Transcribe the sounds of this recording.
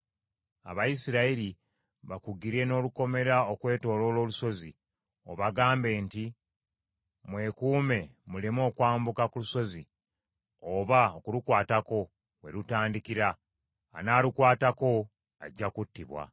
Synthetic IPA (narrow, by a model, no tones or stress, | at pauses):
a̰βajisiɾaiɾi | βakuɡiɾe̞no̞ːluko̞me̞ɾaokwe̞ːto̞ːlo̞ːlo̞ːluso̞zi | o̞̰βaɡaːmbe̞ːnti | mwe̞ːkuːme̞mulemo̞ːkwaːmbukakuluso̞zi | oβaokulukwaːtako̞ | we̞̰ɾutaːndikiɾa̰ː | naːlukwaːtako̞ | a̰ɟːakutːiβwa̰